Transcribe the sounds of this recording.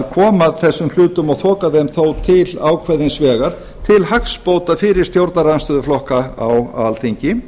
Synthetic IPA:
ðkʰɔːmaðθɛsːʏml̥ʏːt̪ʏmɔɣθʰɔːkaðɛmθowt̪ʰɪlaːwkʰvɛðɪnsvɛːɣaɾ̥ | t̪ʰɪlhakspoːwt̪afɪːɾɪɾ̥st̪jowɾt̪naɾanst̪ʏːðʏflɔhkaawaalt̪ʰiɲcɪ

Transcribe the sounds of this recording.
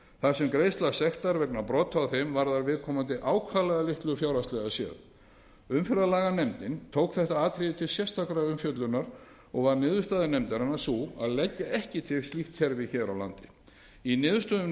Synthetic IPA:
θasɛmkɾeːjst̪lasɛxt̪aɾvɛk̚napɾɔːt̪ʰawθejmvaɾðaɾvɪðkʰɔːmant̪̬ɪʔaːwkʰvalɛɣalɪht̪lʏfjawɾast̪lɛɣasjɛ̰ð | ʏmfɛɾalaːɣanɛmt̪ɪnt̪ʰoːwkθɛht̪aaːt̪ʰɾɪðɪt̪ʰɪlsjɛst̪ʰakɾaʏmfjœt̪lʏnːaɾ̥ | ɔɣvaɾnɪːðʏɾst̪aːðɪnɛmt̪ɪɾanːasua̰ðlɛcːaɛhcɪt̪ʰɪɣst̪liht̪çɛɾvɪçɛɾawlant̪ɪ | inɪːðʏ̥st̪ʏʏ

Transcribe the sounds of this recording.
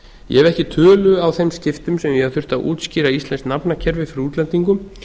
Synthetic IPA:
jɛ̰ɛvɛhcɪt̪ʰœːlʏawθejmscɪft̪ʏmsɛmjɛhaðθʏ̥t̪aʔṵːt̪sciːɾaist̪lɛnstnapnacʰɛɾvɪfɾuːt̪lɛnt̪iŋkʏm

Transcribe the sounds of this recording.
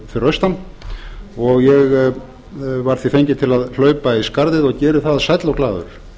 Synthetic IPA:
fɪɾœst̪an | ɔɣjɛɣ | vaɾ̥θifejɲcɪt̪ʰɪlaðl̥œːɥpaiskaɾðɪðɔɣcɛːɾʏθaðsajt̪lawklaːðʏ̰ɾ̥

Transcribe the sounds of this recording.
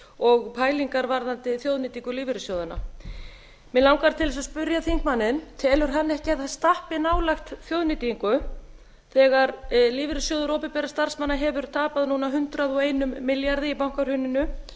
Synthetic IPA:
ɔɣpʰaːjliŋkaɾvaɾðant̪ɪθjowðnɪt̪iŋkʏliːvɪɾʏsjoːwðʏna̰ | mɛlawŋkaɾt̪ʰɪlsaspʏɾjaθiŋk̚manːɪnt̪ʰɛːlʏɾ̥ɦanːɛhcɪaθḁst̪ahpɪnaːwlaxt̪θjoːwðnɪt̪iiŋkʏ | θɛɣaɾliːvɪɾɪsjowðʏɾoːpɪpɛɾḁst̪ar̥smanːaɦɛvʏɾt̪ʰaːpaðnuːnaɦʏnt̪ɾaðɔɣejnʏmːɪljaɾðɪipawŋ̥kaɾ̥hʏnːɪnʏ

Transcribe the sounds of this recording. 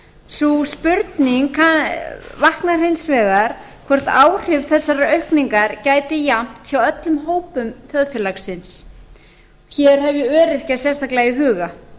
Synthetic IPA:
suspʏɾt̪niŋkʰavahknaɾ̥hejnsvɛːɣaɾ̥ | kʰvɔr̥t̪aːwr̥ɪvθɛsːaɾaœɥhkniŋkaɾcaːjt̪ɪjam̥t̪çawœt̪lʏmɦoːwpʏmθjœðfɛlaksɪns | çɛɾ̥hɛvjɛœːɾɪr̥casjɛst̪ʰaklajɪɦʏːɣa

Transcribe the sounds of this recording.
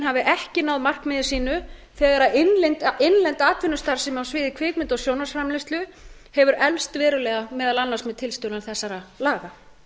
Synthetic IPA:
nɦavɪʔɛhcɪnaːwðmar̥kmɪːðɪ̥siːnʏθɛːɣaɾaɪnlɛnt̪ɪnlɛnt̪aːt̪ʰvɪnːʏst̪aɾ̥sɛmawsvɪːðɪkʰvɪːkmɪnt̪ɔsjownasfɾamlɪst̪lʏ | hɛvʏɾɛlst̪vɛːɾʏlɛɣamɛːðalanːarsmɛðt̪ʰɪlst̪ʏːwlanθɛsːaɾalaːɣa

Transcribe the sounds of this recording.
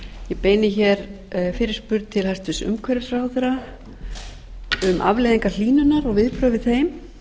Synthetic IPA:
jɛpeːjnɪçɛɾ | fɪɾɪɾ̥spʏɾt̪̚t̪ʰɪlhɛ̥st̪ʏsʏ̰mkʰɛɾɪsrawðʏɾa | ʏmʔa̰vlejðiŋkal̥iːnʏnaɾɔɣvɪðpɾœːvɪðθejm

